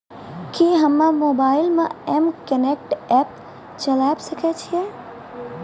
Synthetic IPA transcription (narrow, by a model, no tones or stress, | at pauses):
kiɦəmːãmoːbaːɪlmẽɛmkənek̚ʈɛːp | t͡ʃəlabsəkʰet͡ʃʰijɛ